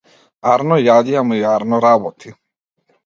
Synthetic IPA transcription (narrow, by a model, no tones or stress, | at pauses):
aɾnɔjad̪ijamujaɾnɔɾabɔt̪ʰi